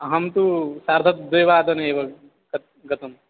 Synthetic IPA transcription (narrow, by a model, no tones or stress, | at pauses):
ɐɦɐmt̪usaːɾt̪ʰɐt̪d̪ejʋaːd̪ɐneːʋɐ | ɡɐt̪̚ | ɡɐt̪ɐm